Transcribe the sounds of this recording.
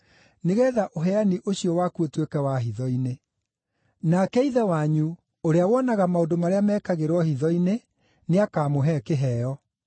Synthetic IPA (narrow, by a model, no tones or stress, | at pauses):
neɣɛːðaʔoɦɛaniʔoɕiɔwakuotwekɛwaɦiðɔine | nakɛiðɛwaɲu | oɾeawɔnaɣamaondomaɾeamɛːkaɣeɾwɔhiðɔine | neakaːmoɦɛkeɦɛɔ